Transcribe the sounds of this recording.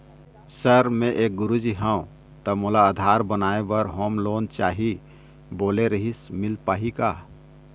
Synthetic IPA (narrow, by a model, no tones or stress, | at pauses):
səɾmẽʔeːk̚ɡʊɾud͡ʒiɦə̃õ | t̪əmoːlaəd̪ʱaːɾbənaːebəɾɦoːmloːnt͡ʃaːɦi | boːleɾəɦismɪlpaːɦikaː